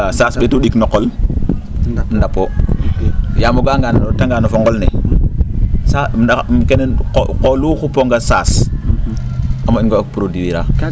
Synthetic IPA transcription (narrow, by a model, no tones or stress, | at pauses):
asasɓetuɗiknokːol | ndapo | jamoɡaŋɡantaŋɡaːnofoŋɡolnḛ | saamkeneqolukupoŋɡasas | amainɡakpuɾodiwiɾa